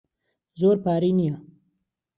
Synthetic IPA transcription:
zoːɾpaːɾinija

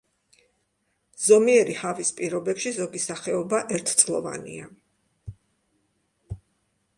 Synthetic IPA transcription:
z̥ɔmiɛɾihavispʼiɾɔbɛpʃizɔɡisaχɛɔbaʔɛɾt̪ʰt̪sʼlˠɔ̰va̰nḭa

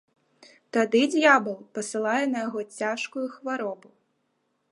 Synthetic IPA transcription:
t̪ad̪ɨd͡zʲjabɨlˠpɐsɨlˠajɛnɐjaɣɔt͡sʲaʂkujuxvaɾɔbu

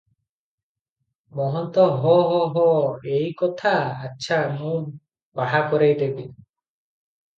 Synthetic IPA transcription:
mɔɦɔnt̪ɔɦɔɦɔɦɔejkɔt̪ʰaːtːʃʰamũ | baɦakɔɾejd̪ebi

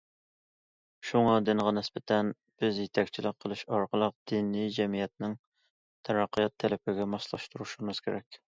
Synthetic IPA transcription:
ʃuŋɑd̪ɪnʁɑnɪsbɪt̪ʰɛn | b̥ɪzjet̪ʰɛkʲt͡ʃʰilɪq̚qʰːəlˠɨʃɑɾqʰəlˠəq̚d̪̥inijd͡ʒɛmijɛt̪̚nɪŋ | t̪ʰæɾɑqːijɑt̪ʰːɛlɪpɪɡʲɛmɑslˠɑ̰ʃt̪uɾuʃumɨz̥kʲeɾɛkʲ

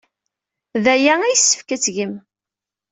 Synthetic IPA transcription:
ðæjææjsːə̥fkæt͡sːʝəm

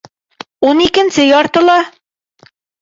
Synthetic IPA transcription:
unikɘ̆nsɘjɒɾt̪ɤ̆lˠɑ

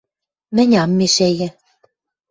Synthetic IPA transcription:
mɘ̆nʲɑmːeʃæjɘ̆

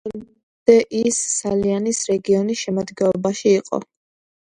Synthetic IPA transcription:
d̪̥ɛʔisːalianisɾɛɡiɔnisʃɛmɔd̪ɡɛlɔbaʃiːqʼɔ̰

